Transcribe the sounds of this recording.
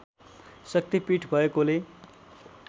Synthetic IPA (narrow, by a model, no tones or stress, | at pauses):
sʌk̚t̪ipiʈʰbʱʌekole